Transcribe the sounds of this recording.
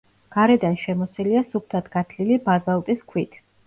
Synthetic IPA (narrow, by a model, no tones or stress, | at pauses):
ɡ̥aɾɛd̪anʃɛmɔsiliasup̚ʰt̪ʰat̪ʰɡ̥at̪ʰlilibazalˠt̪ʼiskʰwit̪ʰ